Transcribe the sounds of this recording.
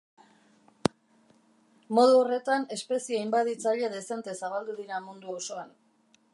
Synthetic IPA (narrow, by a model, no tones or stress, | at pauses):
mo̞ð̞uore̞t̪ane̞spe̞siejmbaðit͡saʎaðe̞se̞nt̪esaβald̪uðiɾamund̪uoso̞an